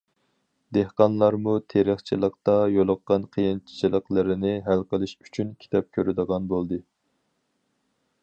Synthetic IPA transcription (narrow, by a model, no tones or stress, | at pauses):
d̪ehqɑnlˠɑɾmut̪ʰeɾəχt͡ʃʰilˠəq̚t̪ɑjolˠʊqːɑnqʰəjint͡ʃʰi̥t͡ʃʰilˠəqlˠɪɾɪnɪɦælqəlˠɨʃy̥t͡ʃʰynkʲʰi̥t̪ɑp̚kʲʰøɾɪd̪əʁɑnbolˠd̪ɨ